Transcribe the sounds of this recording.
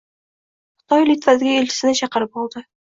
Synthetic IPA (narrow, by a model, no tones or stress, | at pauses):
χɨ̥t̪ɒjlit̪vazɪɡʲæelʲt͡ʃʰɪ̥sɪnɪt͡ʃʰɑqəɾɪp̚bolˠd̪ɪ